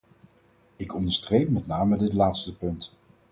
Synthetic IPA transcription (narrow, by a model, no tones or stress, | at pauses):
ɪkɔndəɹstrejpmɛtnaːmədɪtlaːtstəpɵnt